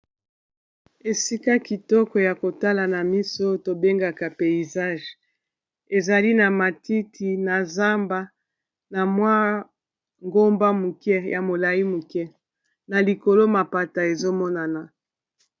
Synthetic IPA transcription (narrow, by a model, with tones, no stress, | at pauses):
e˨si˦ka˦ki˨tɔ˦kɔ˨ja˨ko˨ta˦la˨na˨mi˦so˦to˨be˦ŋɡa˨ka˨pe˨i˨za˦ʒ | e˨za˨li˦na˨ma˨ti˦ti˨na˨za˦mba˦ | na˨mwa˦ | ŋɡo˦mba˦mu˨kɛ˦ja˨mo˨la˨ji˦mu˨kɛ˦ | na˨li˨ko˨lo˦ma˨pa˨ta˨e˨zo˦mɔ˦na˨na˨